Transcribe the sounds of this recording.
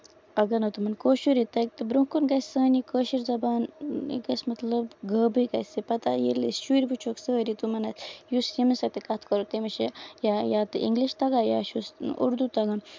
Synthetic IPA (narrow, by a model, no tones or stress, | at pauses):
ɐɡɐnɐt̪umɐnkoːʃuɾit̪ɐk̚t̪ɨbɾukunɡɐsʲsəːnikəːʃiɾzɐbaːnḭɡɐsmɐt̪lɐbɡəːbɨjkɐsipɐt̪ajḭlḭsʃuɾʲbut͡ʃʰoksəːɾit̪umɐnɐsjusjimisɐkt̪ekɐt̪ʰkɐɾut̪emɐʃejajaːt̪ɨʔḭŋɡliʃt̪ɐɡaːjaːʃusṵɾd̪ut̪ɐɡaːn